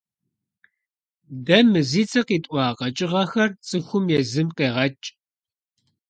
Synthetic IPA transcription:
dɐmɨziːt͡sʰʼɐqiːtʼʷɑːqɐt͡ʃʼɪʁɐxɐrt͡sʼɨxʷʊmjɛzɨmqeːʁɐt͡ʃʼ

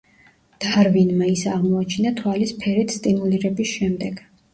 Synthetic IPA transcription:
d̪̥aɾvinmaisɛaʁmɔat͡ʃʰinat̪ʰwalispʰɛɾɛt̪ʰst̪ʼimuliɾɛbisʃɛmd̪ɛɡ̥

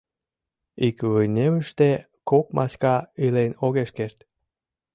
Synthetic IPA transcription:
ikvɨjneβəʃt̪e | kok̚mʔɑ̰skɑilenoɣeʃkert̪

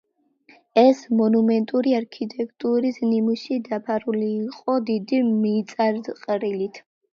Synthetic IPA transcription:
ɛsmɔnumɛnt̪ʼuɾiaɾkʰit̪ʼɛkʰt̪ʼuɾiznimuʃid̪apʰaɾuliːqʼɔd̪id̪imit̪sʼaɾd̪qʼɾilit̪ʰ

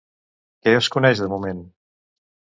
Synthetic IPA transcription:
kɛəskunɛʒðəmumen

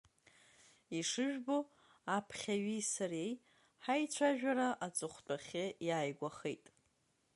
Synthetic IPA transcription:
iʂɨʒᶣbo̞ | apʰχʲaɥisaɾej | ħajt͡ɕʷʰaʒᶣaɾaʔat͡sʼɨχʷtʼaχʲɪjaːjɡʷaχejtʼ

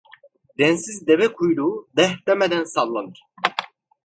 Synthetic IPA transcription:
d̪ɛnsizd̪ɛvɛkʰujd̪ud̪ɛht̪ɛmɛd̪ænsalˠlːanɯɾ

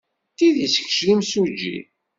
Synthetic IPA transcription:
t̪iðisə̥kʃlimsud͡ʒːḭ

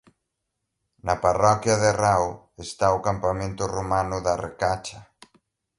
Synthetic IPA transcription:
nɐparɔkjɐðeraw | est̪aʊkampamẽnt̪ʊromanʊðɐrḛkat͡ʃɐ

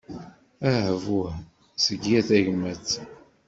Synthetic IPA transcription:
æhvuh | səɡjæθæʝmæt͡sː

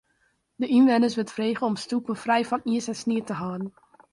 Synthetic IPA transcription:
dəʔinʋɛnəɹs̬ʋɪltfreːχəɔmstupəfrɛjfɑniəsɛnsniːtəɦɑːdn̩

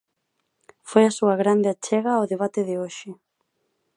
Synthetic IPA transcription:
fojasuɐɣɾand̪ɪat͡ʃɛɣaoðeβat̪ɪðɪoʃɪ

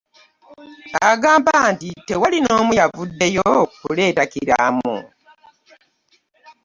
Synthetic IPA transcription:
aɡaːmbantite̞walino̞ːmujavudːe̞jokule̞ːtakiɾa̰mṵ

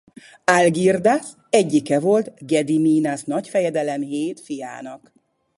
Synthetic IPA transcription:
alɡird̪as | ɛɟːikɛvo̞lt̪ɡɛd̪imiːnasnɒcfɛjɛd̪ɛlɛmɦeːt̪fija̰ːnɒk

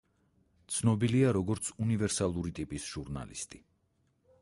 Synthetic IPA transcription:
t̪sʰnɔbiliaɾɔɡɔɾt̪sʰunivɛɾsalˠuɾit̪ʼipʼisʒ̥uɾna̰lḭst̪ʼi

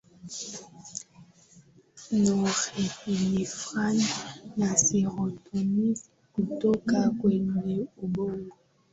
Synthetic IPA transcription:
nɔɣeilifʁannasiʁɔtoni | kutokakwɛnɛuboŋɡo

